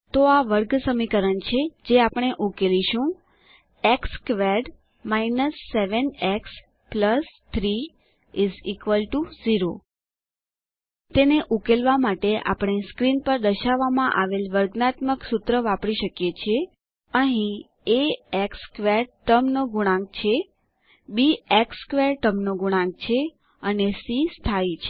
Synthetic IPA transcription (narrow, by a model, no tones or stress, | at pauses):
t̪oaʋəɾɡsəmikəɾənt͡ʃʰed͡ʒeapəɳ̃eʔukeliʃũ | ekskʋeɾɖ | mainəsːeʋəneks | pləst̪ʰɾi | izikʋəlʈuziɾo | t̪eneʔukelʋamaʈeʔa̰pəɽ̃eskɾinpəɾd̪əʃaʋːamãʔaʋelʋəɾɡnat̪məksut̪ɾəʋapɽiʃəkjet͡ʃʰe | əɦĩ | eekskʋeɾʈəmnoɡuɽ̃ãɡ̚t͡ʃʰe | biekskʋeɾʈəmnoɡuɽ̃ãŋɡ̚t͡ʃʰe | ənesist̪ʰait͡ʃʰe